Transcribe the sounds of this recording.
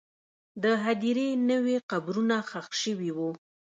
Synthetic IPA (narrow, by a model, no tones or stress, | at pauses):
d̪əɦad̪iɾenəweqabɾunaxaxʃəwiwu